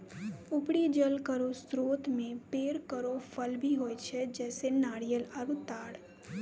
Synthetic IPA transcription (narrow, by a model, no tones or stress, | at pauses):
ʊpɽid͡ʒəlkəɾost̪ɾoːt̪mẽpeːɾkəɾofʰəlbʱiɦoːjt͡ʃʰed͡ʒɛːsenaːɽijəlaːɾut̪aːɽ